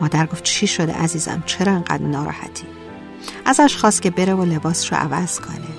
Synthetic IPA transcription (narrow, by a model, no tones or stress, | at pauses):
mɒːd̪æɾɡoft̪̚t͡ʃʰiʃo̞d̪ḛʔæziːzæ̰mt͡ʃʰe̞ɾɒːeŋɡæ̰d̪ɾnɒːɾɒ̰ːhæ̰t̪ʰiː | ʔæzæʃxɒːst̪̚cʰʲe̞be̞ɾevole̞bɒːsʃo̰ʔæ̰væz̥kʰo̞̰ne